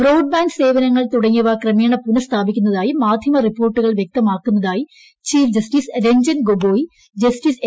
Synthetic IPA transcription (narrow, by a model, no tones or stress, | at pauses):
roːwɖ̚baːnse̞ːʋɐnɐŋːɐɭt̪uɽɐŋːɐʋakrɐmjɐːɳɐpːunɐst̪ʰaːbikʲːunːɐðaːjimaːd̪ʱjɐmɐripːo̞ːrʈːuɣɐɭʋjek̚t̪ɐmaːkːunːɐðaːji | t͡ɕiːfd͡ʑɐstiːsɾeɲd͡ʑɐnɡoboːji | d͡ʑɐstis